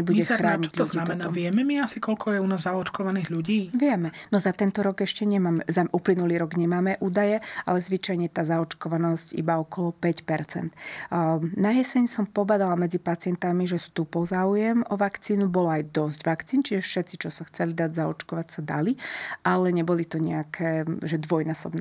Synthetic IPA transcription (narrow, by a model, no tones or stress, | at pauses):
ɛbuɟɛxɾaːɲlznuaɛnaʋɪɛmɛmiasikɔlkʰɔjɛunaːzːaɔt͡ʃkɔʋaniːɣʎuɟiːʋɪɛmɛnɔzat̪ɛnt̪ɔɾɔɡɛʃcɛɲɛmaːmɛzaʔuplinuliːɾɔɡɲɛmaːmɛʔuːd̪ajɛa̰lɛzʋit͡ʃajɲɛt̪aːzaɔt͡ʃkɔʋanɔscḭbaɔkɔlɔpɛcpɛɾt͡sɛ̰nd̪̥ | najɛsɛɲsɔmpɔbad̪alamɛd͡zipat͡sɪɛnt̪amiʒɛst̪upɔʊzaːujɛmɔʋakt͡siːnubɔlɔajd̪ɔzɟʋakt͡siːnt͡ʃiʒɛfʃɛt̪t͡sit͡ʃɔsaxt͡sɛlid̪aɟzaɔt͡ʃkɔʋacsad̪a̰liʔalɛɲɛbɔlit̪ɔɲɛakʰɛːʒɛd̪ʋɔjnaːsɔbnɛ